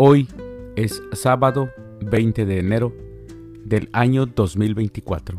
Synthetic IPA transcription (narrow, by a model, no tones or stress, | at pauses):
ojesːaβaðo | bejnt̪eðeːneɾo | d̪elaɲod̪osmilbejnt̪ikwa̰t̪ɾo